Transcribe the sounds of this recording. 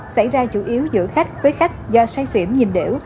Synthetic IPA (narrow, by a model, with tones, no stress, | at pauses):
sa˧˩jzaː˧t͡ɕu˧˩ʔi˨˦əwzɨ̰˧˥əxa˦˥jk̟̚vəː˨˦jxa˦˥k̟̚zɔ˧saː˧jsḭ˧˩əmɲi˨˩mɗḭ˧˩əw